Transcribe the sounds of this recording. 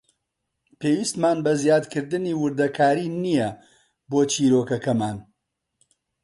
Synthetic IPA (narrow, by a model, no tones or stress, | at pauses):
peːwist̪maːnbɐzjaːd̪kʰɨɾd̪ɨniːwʊɾd̪ɐkʰaːɾiːnijɛ | boːt͡ʃʰiːɾoːkɐkɐmaːn